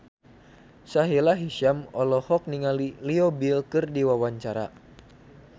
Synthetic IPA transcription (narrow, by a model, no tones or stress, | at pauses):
saɦilaɦiʃamɔlɔhɔk̚niŋaliliɔbilkɨrdiwawaɲt͡ʃaɾa̰